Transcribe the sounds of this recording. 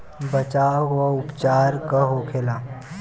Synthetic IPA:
bət͡ʃaːʋaʊpt͡ʃaːɾkəɦokʰeːlaː

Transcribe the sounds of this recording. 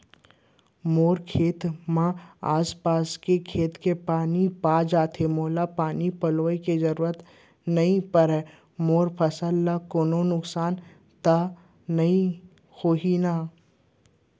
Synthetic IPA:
moːɾkʰeːt̪mãa̰ːspaːskekʰeːt̪kepaːnipaːd͡ʒaːt̪ʰemoːlapaːnipɐloːikezɐɾuːɾət̪ | nɐĩpəɾɦɛ | moːɾpʰəsəlːakoːnonʊksaːn | t̪a | nɐĩ | hoːɦina

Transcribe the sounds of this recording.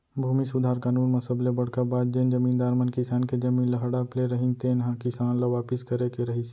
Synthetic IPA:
bʱuːmisʊd̪ʱaːɾkaːnuːnmɐsəblebəɽ̤kabaːd̪̚d͡ʒend͡ʒəmĩːnd̪aːɾmənkɪsaːnked͡ʒəmiːnləɦɽapleɾəɦint̪enɦãkɪsaːnlaʋaːpɪskəɾekeɾəɦis

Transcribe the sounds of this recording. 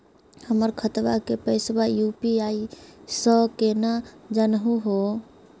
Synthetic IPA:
həməɾkʰət̪bakepəɪsbajupiaisəkenad͡ʒanɦuɦo

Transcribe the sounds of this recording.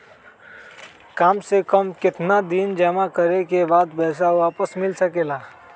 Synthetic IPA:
kaːmsekəmkɪt̪nad̪ind͡ʒəmakəɾekebaːd̪bɛːs̬aaːpəsmɪlsəkeːlaː

